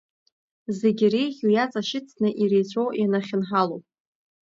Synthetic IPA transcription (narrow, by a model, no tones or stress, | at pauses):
ze̞ɡʲɪrejʁʲujat͡sʼaʃɪt͡sʰnɨʔiɾejt͡sʷʰowjanaχʲɪnħalowpʼ